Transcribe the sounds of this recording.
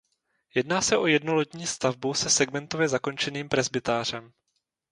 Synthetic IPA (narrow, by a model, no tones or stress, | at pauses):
jɛdnaːsɛʔo̞jɛdno̞lod̪ɲiːst̪avbusɛsɛɡmɛnt̪ovjɛzako̞nt͡ʃɛniːmpɾɛzbɪt̪aːr̝ɛm